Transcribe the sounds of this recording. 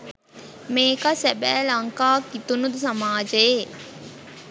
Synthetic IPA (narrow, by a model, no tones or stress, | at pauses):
meːkasæbæːlɐŋkaːkːit̪unud̪usamaːd͡ʒəje